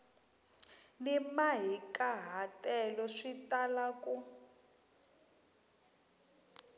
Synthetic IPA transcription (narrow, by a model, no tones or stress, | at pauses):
nimaɦikaɦatʼɛlɔʂitalaku